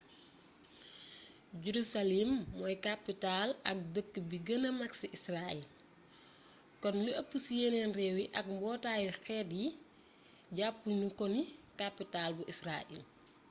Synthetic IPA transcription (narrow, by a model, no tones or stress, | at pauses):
juɾusalimːɔjkapːitalɐk̚dəkːəbiɡənəmɐksiʔisraɛl | kɔnləʔɐpːusijɛnɛnrɛːwiʔɐk̚mbɔːtaːjixɛːdji | ɟapːuɲukɔnikapːitalbuʔisraːʔḭl